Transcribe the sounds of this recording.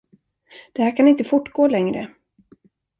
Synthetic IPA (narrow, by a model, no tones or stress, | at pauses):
d̪̥ɛhæːɾkʰanɪnt̪əfʊʈːɡoːlɛŋɾə̰